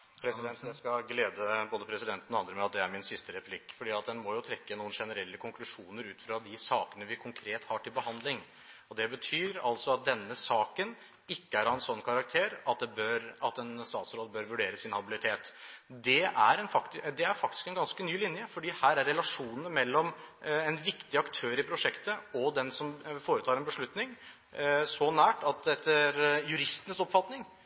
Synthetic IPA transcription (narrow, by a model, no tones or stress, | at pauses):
pʰɾɛsɪd̪ɛnt̪jæskɑɡleːd̪əboːd̪əpʰɾɛsɪd̪ɛnt̪nɔɑnd̪ɾəmɛɑt̪̚d̪ɛæɾmɪnsɪst̪əɾɛpʰlɪkːfɔɖiːɑt̪̚d̪ɛnmɔjʊt̪ʰɾɛkːənuːənʂɛnəɾɛlːəkʰʊŋklʉʂuːnəɾʉːt̪fɾɑd̪ɪsɑːkənəʋɪkʰʊŋkʰɾeːt̪hɑʈʰɪlbəhɑnd̪lɪŋ | ɔd̪ɛbət̪ʰyːɾɑ̰lt̪sɔɑt̪̚d̪ɛnːəsɑːkən | ɪkːəæɾɑɛnsɔnːkʰɑɾɑk̚t̪ʰeːɾɑt̪̚d̪ɛbøɾɑt̪ɛnst̪ɑ̰ːt̪sɾoːd̪bøːɾʋʉɖeːɾəsɪnhɑbɪlɪt̪ʰeːt̪d̪ɛʔæɾɛnfɑkt̪d̪ɛæɾfɑk̚t̪ɪ̥skɛnɡɑnskənyːlɪnjəfɔɖiːhæːɾæɾːɛlɑʂuːnəmɛlːɔmɛnʋɪkt̪ɪɑkt̪ʰøːɾɪpʰɾʊʂɛkt̪əɔd̪ɛnsɔmfoːɾət̪ʰɑːɾɛnbəʂɭʉt̪nɪŋ | sɔnæːʈɑt̪d̪ɛt̪ːəɾjʉɾɪst̪ənəsɔpfɑt̪nɪŋ